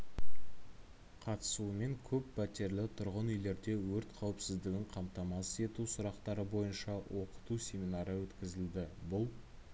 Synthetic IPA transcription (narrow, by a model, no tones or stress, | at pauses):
qʰɑt̪ə̥sume̞ŋkʲʰɵpːʰæt̪e̞ɾlɪt̪ʰʊɾʁənʏjle̞ɾd̪e̞wɵɾt̪qʰɑwɪpsɪzd̪ɪɡʲɪŋqʰɑmt̪ɑmɑse̞t̪usʊɾɑqt̪ɑɾəbo̞jənʃɑwʔo̞qə̥t̪usʲe̞mʲinɑɾəwɵt̪kʲɪzɪld̪ɪbʊlˠ